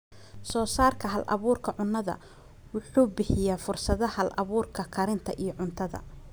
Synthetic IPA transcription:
sɔːsaːrkʰɐɦɐlʔɐ̰βuːrkʰɐʕʊnːɐðɐ̰ | wʊħuːbɪħɪjaːfʊrsɐðɐhɐlʔɐ̰βuːrkʰɐkʰɐɾɪnt̪ʰɐʔijɞʕʊnt̪ʰɐðɐ̰

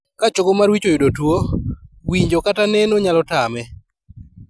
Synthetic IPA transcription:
kat͡ʃoɡomarwit͡ʃojʊdotwowiɲd͡ʒokatanɛnoɲalɔtamɛ

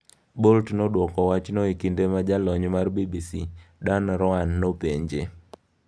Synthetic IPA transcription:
boltnodwɔkɔwat͡ʃnoikindemad͡ʒalɔɲmarbibisidanɾɔanːopeɲd͡ʒe

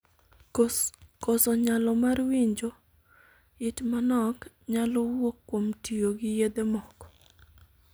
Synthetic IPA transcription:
kɔsɔɲalɔmarwiɲd͡ʒɔ | ɪtmanɔk | ɲalɔwokːwomtioɡɪjed̪emɔkɔ̥

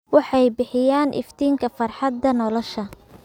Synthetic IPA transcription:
wɑħɑjbɪħɪjaːnʔɪ̰ft̪ʰiːŋkʰɐfɐrħɑd̪ːɐnɔlɔʃɐ

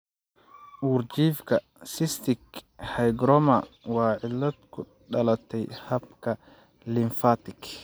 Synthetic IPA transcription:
ʔuːrt͡ʃiːfkʰɐ | sɪst̪ʰɪkhɐjɡɾɔmɐwɑːʕɪlːɐd̪kʰʊ | ɖɐlɐt̪ʰɛjhɐbkʰɐ | lɪɱfat̪ɪk

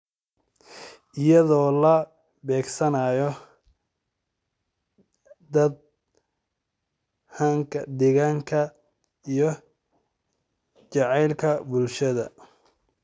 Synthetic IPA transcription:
ʔɪjɐðɔːlɐ | bɛːɡsɐnaːjɔ | d̪ɐd̪̚ | hɐŋkʰɐd̪ɪɣɐŋkʰɐ | ijɔ | t͡ʃɑʕɑjlkʰɐbʊlʃɐðɐ̰

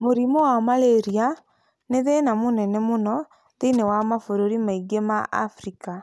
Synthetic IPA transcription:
moɾimɔwamaleɾia | neðenamonɛnɛmonɔ | ðenewamafoɾoɾimaiɡemaʔa̰fɾika

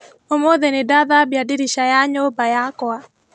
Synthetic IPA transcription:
omoðenedaðabjadiɾiʃajaɲobajakɔa

